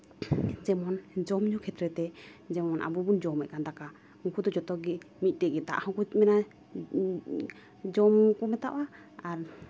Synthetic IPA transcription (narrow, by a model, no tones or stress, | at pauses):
d͡ʒɛmɔnd͡ʒɔmɲukʰɛt̪ɾɛt̪ɛd͡ʒɛmɔnʔa̰bubund͡ʒɔmɛt̪̚kand̪aka | hũkud̪ɔd͡ʒɔt̪ɔɡɛ | mit̪̚ˀʈɛɡɛd̪a̰ʔhɔ̃kutmɛna | d͡ʒɔmkɔmɛt̪aʔwa | aɾ